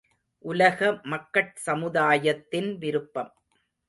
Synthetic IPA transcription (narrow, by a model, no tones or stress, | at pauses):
ʔʊlɐɣɐmɐkːɐʈ̚sɐmɯðaːjɐt̪ːɪnʋɪɾɯpːɐm